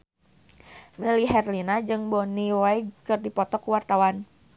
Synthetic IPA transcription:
miliɦɛrlinad͡ʒɨŋbɔniwajkɨrdipɔt̪ɔkuwart̪awan

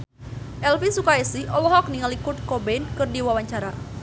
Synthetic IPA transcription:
ʔɛlfisukaɛsiʔɔlɔɦɔk̚niŋalikʊt̪̚kɔbɛnkɨrdiwawaɲt͡ʃaɾa

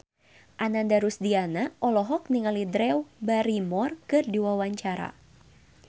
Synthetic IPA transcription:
ʔanandaɾusdianaʔɔlɔɦɔk̚niŋalidɾɛwbaɾimɔrkɨrdiwawaɲt͡ʃaɾa̰

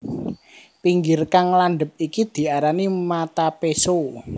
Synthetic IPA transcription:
piŋɡɪrkaŋlanɖ̪əp̚ikid̪̥i̤aɾanimat̪apeso

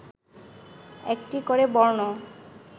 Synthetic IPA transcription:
ɛk̚ʈikoɾebɔɾno

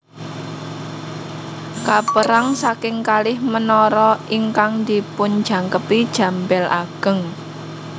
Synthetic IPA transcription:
kapəɾaŋsakɪŋkalɪhmənɔɾɔʔiŋkaŋd̪ipʊn̥d͡ʒ̥ä̤ŋkəpid̥ʒ̥ä̤mbɛlʔaɡ̥ə̤ŋ

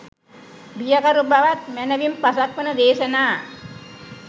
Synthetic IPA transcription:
bijakaɾubaʋat̪̚mænəʋimpasak̚pənəd̪eːsənaː

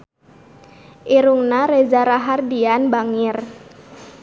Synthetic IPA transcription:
ʔiɾuŋnaɾed͡ʒaɾaɦardianbaŋir

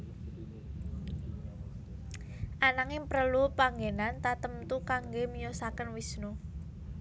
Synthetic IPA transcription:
ʔanaŋɪŋpəɾəlupaŋɡenant̪at̪əmt̪ukaŋɡemijosakənwisnu

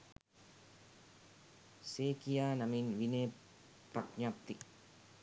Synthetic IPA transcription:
seːkijaːnɐminʋineː | prɐkɲaːp̚t̪i

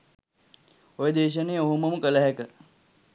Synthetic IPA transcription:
ojed̪eːʃ̬ənejoɦumɐməkələɦækə

